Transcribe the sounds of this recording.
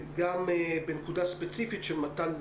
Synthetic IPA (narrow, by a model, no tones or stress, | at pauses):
ɡambenkud̪aspet͡sifit̪ʃemat̪an